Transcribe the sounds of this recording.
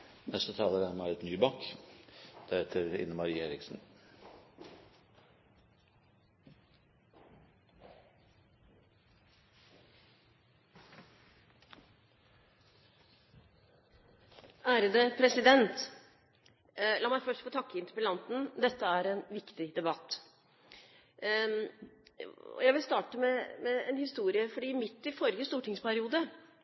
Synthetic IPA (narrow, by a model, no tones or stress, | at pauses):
nɛst̪ət̪ʰɑːləd̪æɾmæɾɛt̪nyːbɑːk | d̪̥æɾɛt̪ʰəɾɪ̰nːəmɑɾiːeːɾɪksn̩ | ʔæːɾəd̪əpʰɾɛsɪd̪ɛnt̪ | lɑːmæɪfœʂʈfɔːt̪ʰɑkːəɪnt̪əɾpəlɑnt̪n̩d̪ɛt̪ːəæɾɛnʋɪkt̪ɪd̪ɛbɑt̪ː | ɔ̰jæɪʋɪlst̪ɑːʈəmɛmɛɛnhɪst̪uːɾɪəfɔɖiːmɪt̪ːɪfɔɾjəst̪uːʈɪŋspʰæɾɪuːd̪ə